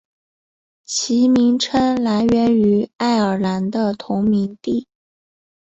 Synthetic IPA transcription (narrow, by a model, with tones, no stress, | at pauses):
t͡ɕʰi˧˥mi˧˥ŋʈ͡ʂʰə˥nla˧˥ɪɥɛ˧˥ny˧˥a˥˩ɪə˞˨˩la˧˥nd̪ə˧t̪ʰʊ˧˥ŋmi˧˥ŋt̪i˥˩